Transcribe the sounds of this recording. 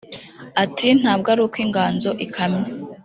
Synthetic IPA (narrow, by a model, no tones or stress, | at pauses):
atʰin̥haːb̚ɡaɾukwiːŋɡaːnzo̞ʔikʰamɲe